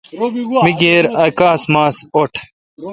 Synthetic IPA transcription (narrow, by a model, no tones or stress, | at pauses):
miɡeːɾɐkaːsmaːsoʈʰ